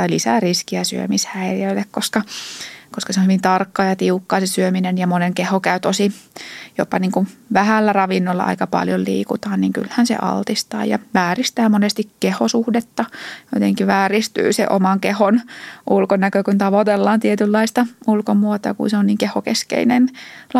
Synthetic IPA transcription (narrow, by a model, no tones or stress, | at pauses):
ɑilisæriskiæsy̰ø̰mishæiriøilːekkoskɑkoskɑseonhyʋint̪ɑrkːɑːjɑt̪iukːɑːsesyøminenjɑmoneŋkehokæyt̪osijo̰pːɑniːŋkuʋʋæhælːærɑʋinːolːɑ̰ʔɑ̰ikɑpɑ̰ljollḭːkut̪ɑːnniːŋky̰lhænsḛʔɑ̰lt̪ist̪ɑ̰ːjɑ̰ʋæːrist̪æːmonest̪ikkehosuhdet̪ːɑjot̪eŋkiʋæːrist̪y̰ːsḛʔo̰mɑŋkehonʔulkonækøkunt̪ɑʋot̪elːɑːnt̪iet̪ylːɑist̪ɑulkomuot̪ɑ̰kṵnseonniːŋkehokeskḛinenl